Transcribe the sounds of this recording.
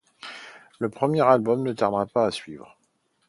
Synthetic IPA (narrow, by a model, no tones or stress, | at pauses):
ləpχəmjɛʁalbɔmnət̪aʁd̪ʁapaːsɥiːvʁ